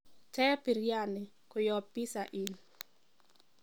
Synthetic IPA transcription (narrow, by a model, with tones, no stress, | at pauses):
tɛ˦pi˨ɾja˦nɪ˨ | ko˨jɔ˨pːi˦saʔi˨l